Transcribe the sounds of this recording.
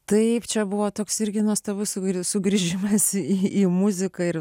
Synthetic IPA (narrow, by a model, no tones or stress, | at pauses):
t̪ɐɪpt͡ʃʲɛbʊʋoːt̪oːksɪɾʲɡʲɪnuɔst̪ɐbʊsʊɡsʊɡɾʲiʒʲɪmɐsiiːmʊzʲɪkɐɪɾ